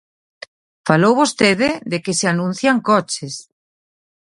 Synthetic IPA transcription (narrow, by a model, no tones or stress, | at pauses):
falowβost̪eðɪðekeseanũn̟θjaŋkɔt͡ʃes